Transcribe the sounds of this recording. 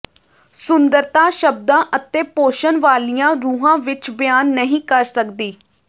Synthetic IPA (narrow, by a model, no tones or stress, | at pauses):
sʊnd̪əɾt̪ãːʃəb̚d̪ãːʔət̪eːpoːʃənʋaːlijãːɾuːɦãːʋɪt͡ʃbɪjaːnːəɦĩːkəɾsəkd̪iː